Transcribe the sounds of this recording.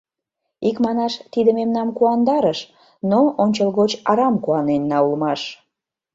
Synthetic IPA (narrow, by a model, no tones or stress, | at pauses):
ikmɑnɑʃt̪id̪əmemnɑmkuɑnd̪ɑɾəʃ | noonʲt͡ɕəlɣot͡ɕɑɾɑmkuɑnenːɑulmɑʃ